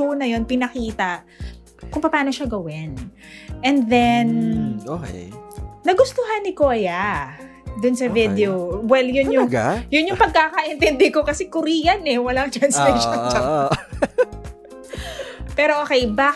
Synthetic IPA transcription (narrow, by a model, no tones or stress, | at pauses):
uːnɐjo̞npɪnɐkiːt̪ɐ | kʊŋpɐpaːno̞ʃaɡɐwɪnʔɛnðɛnʔokɛ̰ː | ɐɡʊst̪oɦanːɪkoːja | d̪ʊnsɐvɪd̪ɛowɛljʊnjʊŋjʊnjʊŋpɐɡ̚kakɐʔɪnt̪ɛnd̪ɛkokɐsɛkʊɾiːjɐnɛwɐlaŋt̪ɾɐnslɛjʃont͡ʃa | pɛːɾoʔoːkɛjbaː